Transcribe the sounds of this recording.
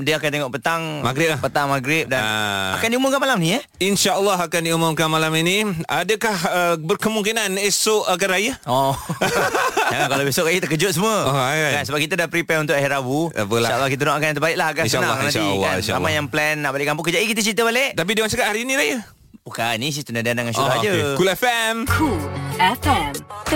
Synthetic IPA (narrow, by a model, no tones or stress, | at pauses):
diəakant̪eŋɔʔpət̪aŋmaɡɾɪp̚lahpət̪aŋmaɡɾɪp̚daaa̰kandiumʊmkanmalamnijə | inʃaʔəlːɔɦakandiumʊmkanmalaminiadəkahəbərkəmuŋkinanesʊʔakanɾajəɔ | d͡ʒakalabesʊʔrajət̪əkəd͡ʒʊt̪̚səmuəɔkansəbakit̪adapɾipɛunt̪ʊkaɦɛɾabua̰pəlalːahkit̪̬ənɔakanjãt̪əbaɪʔlahaɡanʃanaŋnãnʃḭlːa̰ḭ̃ʃa̰almajaŋplɛnːaʔbalɪʔkampʊŋkəd͡ʒaikit̪̬ət͡ʃit̪̬əbaleʔt̪ap̬idəwant͡ʃakat̪̚haɾiːniɾaja | bukanis̬it̪unadianaŋansuad͡ʒəkulɛfɛmkʰulɛfɛm